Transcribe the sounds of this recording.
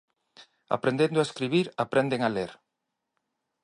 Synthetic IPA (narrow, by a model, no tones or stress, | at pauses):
a̰pɾend̪end̪ʊaeskɾiβiɾapɾɛnd̪eŋaleɾ